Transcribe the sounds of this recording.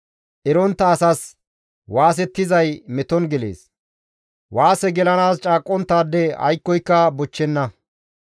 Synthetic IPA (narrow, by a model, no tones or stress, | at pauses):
ʔɛɾɔnt̪ːɐːsɐs | waːs̬ɛt̪ːɪzɐjmɛt̪ɔnɡɛlḛːs | waːsɛɡɛlɐnaːst͡ʃʼaːkʼːɔnt̪ːaːd̪ːɛɐ̰jkːɔjkːɐbɔt͡ʃːɛnːɐ